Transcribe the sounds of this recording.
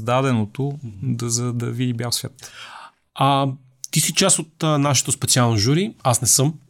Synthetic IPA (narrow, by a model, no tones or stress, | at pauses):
d̪ad̪ɛnot̪od̪zɐd̪ɐvid̪ibʲjafsvʲjat̪ | a | t̪isit͡ʃasot̪ːnaʃɛ̥t̪ospɛt̪sialˠnoʒuɾiasnɛsɤm